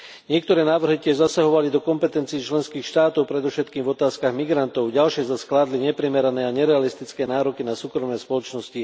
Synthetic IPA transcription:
ɲɪɛk̚t̪ɔɾɛːnaːʋr̩ɦicɪɛʒzasaɦɔʋalid̪ɔkɔmpɛt̪ɛnt͡siɛt͡ʃlɛnskiːxʃt̪aːt̪ɔʊpɾɛd̪ɔfʃɛt̪kiːmvɔt̪aːskaɣmiɡɾant̪ɔʊɟalʃɪɛzasklaːd̪liɲɛpɾimɛɾanɛːaɲɛɾɛalist̪it͡skɛːnaːɾɔkinasuːkɾɔmnɛspɔlɔt͡ʃnɔsci

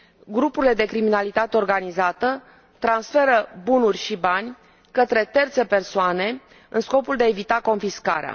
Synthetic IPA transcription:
ɡɾupuɾile̞d̪e̞kɾiminalit̪at̪eo̞rɡanizat̪ə | t̪ɾansfe̞ɾəbunurʲʃibanʲ | kət̪ɾe̞t̪e̞rt̪se̞pe̞rsoane̞ | ɨnsko̞puld̪eaevit̪ako̞nfiska̰ɾea̰

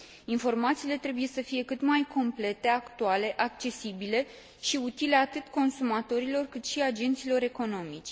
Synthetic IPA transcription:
info̞rmat̪siːle̞t̪ɾe̞buje̞səfije̞kɨt̪majkʰo̞mple̞t̪e̞akt̪uale̞ʔakt͡ʃe̞sibile̞ | ʃiut̪ile̞at̪ɨt̪ko̞nsumat̪o̞ɾilo̞rkɨt̪ʃiad͡ʒe̞nt̪silo̞ɾe̞ko̞no̞mit͡ʃʲ

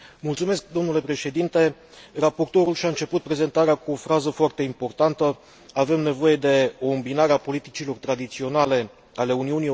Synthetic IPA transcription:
mult̪sume̞sk̚d̪o̞mnule̞pɾe̞ʃe̞d̪int̪e̞ | rapo̞rt̪o̞ɾulʃʲaɨnt͡ʃe̞put̪̚pɾe̞ze̞nt̪aɾeakuo̞fɾazəfoart̪e̞impo̞rt̪ant̪ə | ave̞mne̞vo̞je̞d̪e̞oɨmbinaɾeapo̞lit̪it͡ʃilo̞rt̪ɾad̪it̪sio̞nale̞ | ale̞uniunij

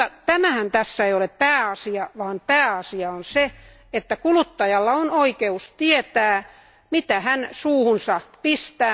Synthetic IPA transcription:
ɑt̪æmæhænt̪æsːæeioleppæːɑsiɑʋɑːnpæːɑsiɑonse | et̪ːækulut̪ːɑjɑlːɑonoikeust̪iet̪æː | mit̪æhænsuːhunsɑpist̪æː

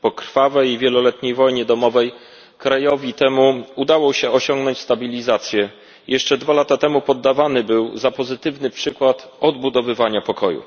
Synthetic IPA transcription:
pɔkɾfavɛjivʲjɛlɔlɛt̪ɲejvɔjɲɛd̪ɔmɔvɛj | kɾajɔvʲit̪ɛmuud̪awɔɕɛɔɕɔŋɡnɔɲt͡ɕʲst̪abʲilʲizat̪sʲjɛ | jʔɛʂt͡ʂɛd̪valat̪at̪ɛmupɔd̪ːavanɘbɘwzapɔzɘt̪ɘvnɘpʂɘkwat̪ɔd̪̚bud̪ɔvɘvaɲapɔkʰɔjṵ

